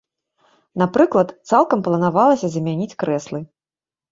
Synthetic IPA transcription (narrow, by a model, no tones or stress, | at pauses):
napɾɨklˠɐt̪t̪salˠkɐmplˠɐnavalˠɐsʲɐzmʲanʲit͡sʲkɾɛslˠɨ